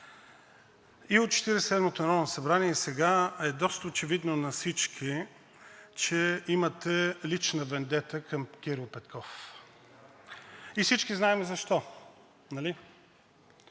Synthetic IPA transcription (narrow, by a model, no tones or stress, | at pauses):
iot̪̚t͡ʃɛ̥t̪iɾɛssɛd̪mot̪onɾɔvnɐsɐbɾaniɛsɛɡaɛd̪ɔst̪əot͡ʃɛvid̪nonɐsit͡ʃkʰi | t͡ʃɛimət̪ɛlit͡ʃnəvɛnd̪ɛt̪əkəmk̟ʲiɾilˠpɛt̪kʰɔf | ifsit͡ʃkiznaɛmɛzɐʃt̪ɔ | nɐli